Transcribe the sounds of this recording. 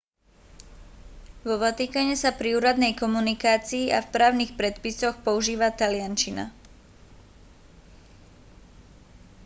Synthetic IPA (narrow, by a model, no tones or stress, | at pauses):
ʋɔʋɔt̪ikaɲɛsapɾiuːɾad̪nɛjkɔmunikaːt͡siːʔafpɾaːʊnixpɾɛt̪pisɔxpɔuʒiːʋat̪alɪant͡ʃina̰